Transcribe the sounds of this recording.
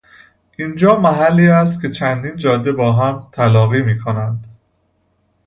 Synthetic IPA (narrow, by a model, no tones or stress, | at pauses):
ʔind͡ʒɒːmæɦælːiːæs̬t̪̚kʲʰe̞t͡ʃʰænd̪iːnd͡ʒɒːd̪ːe̞bɒːɦæmt̪ʰælɒːɣiːmiːkʰonænd̪̥